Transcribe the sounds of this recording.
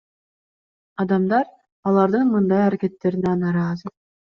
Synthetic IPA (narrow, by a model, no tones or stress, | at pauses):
ɑd̪ɑmd̪ɑɾ | ɑlˠɑɾd̪ɯnmɯnd̪ɑjɑɾækʲe̞t̪ːe̞ɾinɛnɑɾɑːzɯ